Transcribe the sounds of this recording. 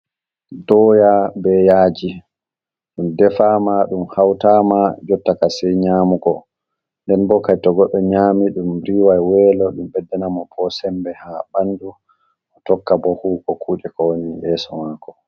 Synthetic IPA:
dɔːjabɛjaːd͡ʒi | ɗumdɛfamaɗumhawtamad͡ʒɔtːakasɛjɲaːmukɔ | ndɛnbɔkajtɔɡɔɗːɔɲaːmiɗumɾiːwajwɛːlɔɗumbɛdːɛnamɔpʰɔsɛmbɛhabandu | ʔɔtɔkːabɔhuːkɔkʰuːɗɛkɔwnijɛːsɔmaːkɔ

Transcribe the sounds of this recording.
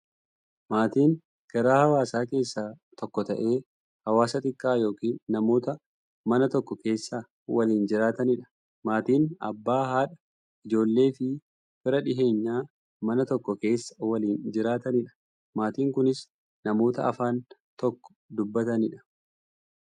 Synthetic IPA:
maːt̪iːŋ | ɡ̥ɐɾaːhɐwaːsaːke̞ːsːaː | t̪ʰɔkːɔt̪ɐ̰ʔe̞ː | hɐwaːsɐt̪ʼɪkʼːaːjo̞ːkiːnːɐmo̞ːt̪ɐ | mɐnɐt̪ɔkːɔke̞ːsːaː | wɐliːnd͡ʒɪɾaːt̪ɐnɪᶑɐ̥ | maːt̪iːnɐ̰bːaːhaːᶑɐ | ʔɪd͡ʒo̞ːlːe̞ːfɪ | fɪɾɐᶑɪɦe̞ːɲːaː | mɐnɐt̪ɔkːɔke̞ːsːɐ̥wɐliːnd͡ʒɪɾaːt̪ɐnɪᶑɐ̥ | maːt̪iːŋkʊnɪs | nɐmo̞ːt̪ɐ̰ɐfaːnt̪ɔkːɔ̥d̪ʊbːɐt̪ɐnɪᶑɐ̥

